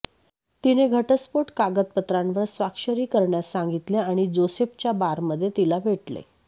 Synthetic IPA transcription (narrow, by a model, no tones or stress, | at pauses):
t̪ineɡʱəʈəspoʈkaɡət̪̚pət̪ɾãnʋəɾsʋakʂəɾiːkəɾɳjasãŋɡit̪leaɽ̃id͡zosept͡ɕjabaɾməd̪ʱːjet̪ilaʋʱeʈlḛ